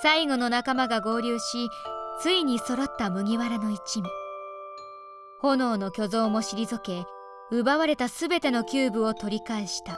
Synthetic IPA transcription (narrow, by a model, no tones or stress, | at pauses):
saiɡo̞no̞nakamaɡaɡo̞ːɾʲɨːɕit͡sɨiɲ̟iso̞ɾo̞t̪ːamɯ̟ɡʲiβaɾano̞it͡ɕimʲi | ho̞no̞ːno̞kʲo̞zo̞ːmo̞ɕiɾʲizɨke̞ | ɯ̟baβaɾe̞t̪asɨbe̞t̪e̞no̞kʲɨːbɯ̟o̞t̪o̞ɾʲikaeɕi̥t̪a